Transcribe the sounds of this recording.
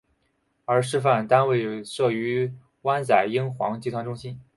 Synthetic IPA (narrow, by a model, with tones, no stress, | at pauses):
ə˞˧˥ʂɻ̩˥˧f̬a˥˩nt̪a˥nwe˥˩ɪʂɤ˥˩y˧˥ | wa˥nt͡sa˨˩ɪi˥ŋxwɑ̰˧˥ŋt͡ɕi˧˥t̪wa˧˥nʈ͡ʂʊ˥ŋɕi˥n